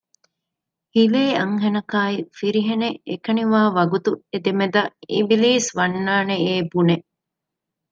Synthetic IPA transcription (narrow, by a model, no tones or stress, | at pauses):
hileːɐŋɦenɐkaːifiɾiɦeneekɐniʋaːʋɐɡut̪ued̪emed̪ɐḭʋiliːsʋɐnːaːneeːbune